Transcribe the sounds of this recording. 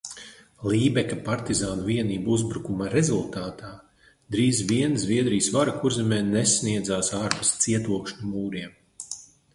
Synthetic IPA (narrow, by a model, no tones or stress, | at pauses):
lˠiːbɛkapaɾt̪izaːnuviɛniːbuzbɾukumaɾezulˠt̪aːt̪aː | d̪ɾiːzviɛnzvʲiɛd̪ɾijsvaɾakuɾzɛmɛːnesniɛd̪zaːsaɾbust̪siɛt̪uɔkʃnumuːɾiɛm